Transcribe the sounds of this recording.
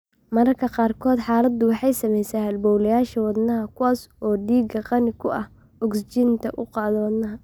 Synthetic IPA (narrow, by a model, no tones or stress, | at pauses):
mɐɾɐrkʰɐqɑːrkʰɔːd̪ħɑːlɐd̪ʊwɑħɑjsɐmɛjsɛːhɐlbɔwlɐjaːʃɐwɑd̪nɐɦɐkʰʊwaːsɔːɖiːɡɐqɑnɪkʰʊʔɐ̰h | ɔɡst͡ʃɪnt̪ʰɐʔʊqɑːðɐwɑd̪nɐɦɐ